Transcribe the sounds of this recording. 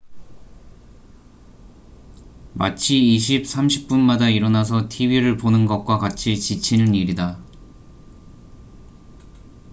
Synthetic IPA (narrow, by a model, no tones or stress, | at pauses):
mat͡ɕʰiːɕ̬ʰip̚s͈ʰamɕʰi̥p̚p͈unmadaiɾʌnas̬ʰʌtʰibiɾɯɭponɯnɡʌk̚k͈wakat͡ɕʰit͡ɕit͡ɕʰinɯniɾida